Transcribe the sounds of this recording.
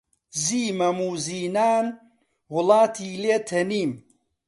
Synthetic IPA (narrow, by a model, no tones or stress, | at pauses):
ziːmɐmuːziːnaːn | wʊlaːt̪ʰiːleːt̪ʰɐniːm